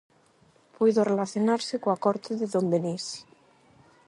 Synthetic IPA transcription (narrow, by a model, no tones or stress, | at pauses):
pujðorelaθjonaɾsekoakɔɾt̪eðeðombenis